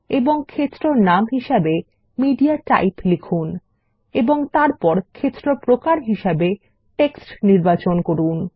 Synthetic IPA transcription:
eboŋkʰet̪ːɾonamɦiʃebe | miɖiaʈa̰jplikʰun | eboŋt̪aɾpɔɾkʰet̪ːɾopɾokaɾɦiʃebe | ʈeksʈniɾbat͡ɕonkoɾun

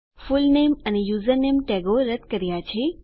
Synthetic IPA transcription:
fulnemənejuzəɾnemʈɛɡoɾəd̪kəɾjat͡ʃʰe

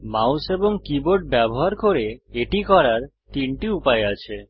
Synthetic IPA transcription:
mawseboŋkiboɾɖ̚bɛboɦaɾkoɾeeʈikɔɾaɾt̪iɳʈiupaeat͡ɕʰe

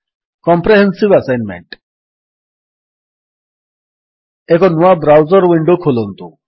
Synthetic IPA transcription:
kɔmpɾeɦensibasajnmḛɳʈ | ekɔnuabɾawzɔɾwiɳɖokʰulɔnt̪u

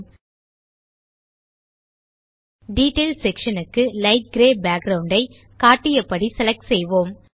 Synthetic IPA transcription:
ɖiːʈːeːlsɛkʂɐnɯkːɯlɐɪʈ̚ɡɾeːbaːɡ̚ɡɾɐʊɳɖɐɪ | kaːʈːɪjɐpːɐɽisɛlɐk̚ʈsɛjʋoːm

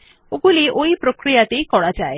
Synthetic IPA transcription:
oɡuliʔoipɾokɾijat̪ejkɔɽad͡ʒae

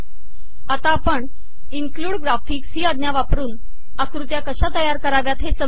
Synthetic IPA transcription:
at̪apəɳ | iŋkluːɽɡɾafiːksiːəd̪njaʋapɾuːn | əkɾut̪jakəɕat̪əjaɾkəɾaʋjat̪ɦesə

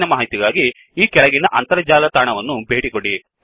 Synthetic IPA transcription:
nɐmaːɦit̪iɡaːɡi | iːkɛɭɐɡinɐʔɐnt̪ɐɾɐd͡ʒaːlɐt̪aːɳɐʋɐnːubʱeːʈikoɽi

